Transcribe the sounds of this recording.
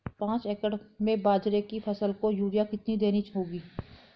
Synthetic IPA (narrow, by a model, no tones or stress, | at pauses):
pãːt͡ʃeːkəɽmẽbaːd͡ʒɾekipʰɐsəlkojuːɾijakɪt̪nid̪eːnit͡ʃɦoːɡiː